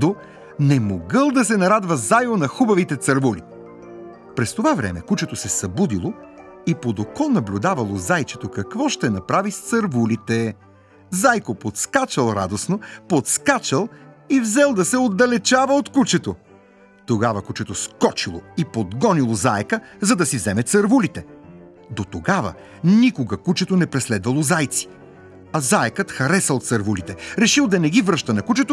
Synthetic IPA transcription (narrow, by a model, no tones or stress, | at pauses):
o | nɛmoɡəlˠd̪ɐsɛnɐɾad̪vɐzajvonɐxubɐvit̪ɛt̪sɐɾvuli | pɾɛst̪ovavɾɛ̰mɛkut͡ʃɛt̪osɛsɐbud̪ilˠoipod̪okɔnɐblʲud̪avɐlˠozajt͡ʃɛt̪okɐkvɔʃt̪ɛnɐpɾavist̪sɐɾvulit̪ɛ | zajkopot̪skat͡ʃɐlˠɾa̰d̪osnopot̪skat͡ʃəlˠivzɛlˠd̪ɐsɛod̪ːɐlɛt͡ʃavəot̪kut͡ʃɛt̪o | t̪oɡavɐkut͡ʃɛt̪oskɔt͡ʃilˠo̰ipod̪ɡɔnilˠozaɛkəzɐd̪ɐsivzɛmɛt̪sɐɾvulit̪ɛ | d̪ot̪oɡavɐ̰ə̰ | nikoɡɐkut͡ʃɛt̪onɛpɾɛslɛd̪vɐlˠozajt̪si̥ | ɐzaɛkət̪xɐɾɛsɐlˠot̪sɐɾvulit̪ɛɾɛʃilˠd̪ɐnɛɡivɾəʃt̪ɐnɐkut͡ʃɛt̪o